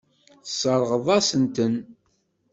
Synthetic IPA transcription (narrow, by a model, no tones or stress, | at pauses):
θsˤəɾˤʁəðˤɑsənt̪ən